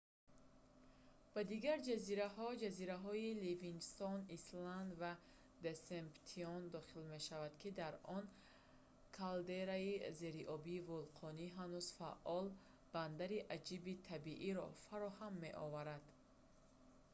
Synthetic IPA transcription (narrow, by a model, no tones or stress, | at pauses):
b̥ad̪iɡaɾd͡ʒaziɾahɔd͡ʒaziɾaɦɔilivinst̪ɔnisland̪va | d̪esempt̪ʰiɔnd̪ɔχilme̞ʃavad̪̥kʰid̪aɾɔn | kʰald̪eɾaize̞ɾiʔɔbiːvulqʰɔniɦanuzfa̰ʔɔl | b̥and̪aɾiʔad͡ʒibit̪ʰabiʔiɾɔ̰faɾɔhamːe̞̰ʔɔ̰vaɾad̪̥